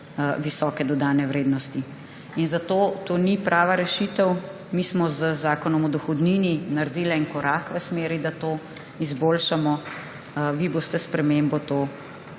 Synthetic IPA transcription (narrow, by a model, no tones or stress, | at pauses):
ʋisɔːkɛd̪ɔd̪aːnɛʋɾeːd̪nɔst̪i | inzat̪oːt̪oːnipɾʔaːʋaɾɛʃit̪əw | miːsmɔzəzaːkɔnɔmɔd̪ɔxɔd̪nininaɾd̪iːlɛnkɔɾaːkʋəsmeːɾid̪at̪oː | izboːlʃamɔ | ʋiboːst̪ɛspɾɛmembɔt̪oː